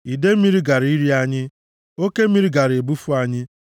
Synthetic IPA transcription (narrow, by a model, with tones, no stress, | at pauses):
i˨de˦m̩˦i˦ɾi˦ɡa˨ɾi˦ɾi˦a˦ɲɪ˦ | o˦ke˦m̩˦mi˦ɾi˦ɡa˨ɾe˨bu˦fu˦a˦ɲɪ˦